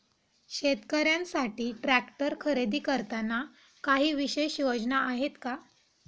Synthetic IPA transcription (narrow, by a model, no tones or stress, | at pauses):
ɕet̪kəɾjãnsaʈiːʈɾækʈəɾkʰəɾed̪iːkəɾt̪ana | kaɦiːʋiɕejɕjod͡ʑnaʔaɦet̪ka